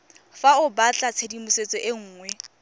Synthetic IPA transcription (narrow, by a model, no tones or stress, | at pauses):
faʊbat͡ɬʼat͡sʰedimʊset͡sʼɔʔeŋ̩ːŋwɛ